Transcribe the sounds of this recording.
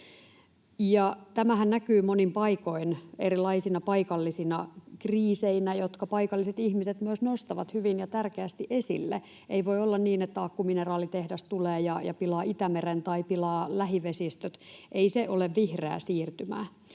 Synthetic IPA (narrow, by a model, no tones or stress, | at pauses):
jɑt̪æmæhænnækyːmonimpɑiko̞ineɾilɑisinɑpɑikɑlːisinɑkriːseinæjot̪kɑpɑikɑlːiset̪ihmiset̪myøsnost̪ɑʋɑ̰t̪hyʋinjɑt̪ærkeæst̪iʔesḭlːḛ | ʔeiʋoiolːɑnniːnet̪ːæɑkːuminerɑːlit̪ehdæst̪uleːjɑjɑ̰pilɑːit̪æmeɾent̪ɑipilɑːlæɦiʋesist̪øt̪ʔeiseʔoleʋʋihrḛːsiːrt̪ymæ̰ː